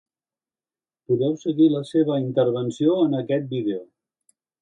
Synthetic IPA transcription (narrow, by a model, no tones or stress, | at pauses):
puðɛwsəɣiləseβ̞əint̪əɾβ̞ənsioənəkɛt̪̚biðeo